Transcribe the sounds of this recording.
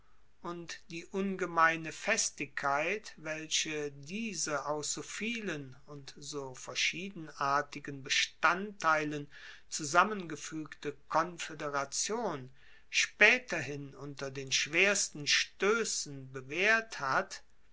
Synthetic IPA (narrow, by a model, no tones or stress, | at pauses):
ʔʊntd̥iːʔʊnɡəmaɪnəfɛstɪkʰːaɪtvɛlɕədiːzəʔaʊsz̥oːfiːlən | ʊntz̥oːfɛɐʃiːdn̩aːɐtɪɡənbəʃtantːaɪlən | t͡suzamənɡəfyːktəkʰɔnfedeʁat͡sjoːn | ʃpɛːtɐɦɪnʊntɐdeːnʃv̥eːɐstn̩ʃtøːsn̩bəveːɐthat